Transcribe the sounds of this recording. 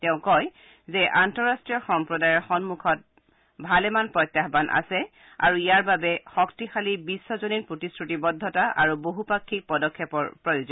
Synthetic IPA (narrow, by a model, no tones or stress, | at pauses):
tɛʊ̃kɔj | zɛʔantɔɹastɹijɔxɔmpɹɔdajɔɹxɔnmukʰɔt̚ | bʱalɛmanpɹɔjtːjaxbanʔa̰sɛ | a̰ɹuijaɹbabɛxɔktixalibisːɔzonipɹotisɹutibɔdʱːɔtaʔaɹuboɦupakʰːik̚pɔdɔkʰːɛpɔɹpɹɔjozɔ